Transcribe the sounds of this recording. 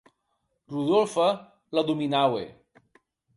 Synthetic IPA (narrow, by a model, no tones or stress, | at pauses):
ruðolfa | laðuminawḛ